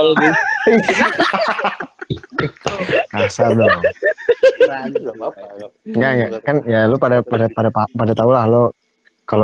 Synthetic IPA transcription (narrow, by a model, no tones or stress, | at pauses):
kasadɔ | ɾad͡ʒ | ŋɡaŋɡakanijalupadapadapadapapadat̪aulahlo | kalo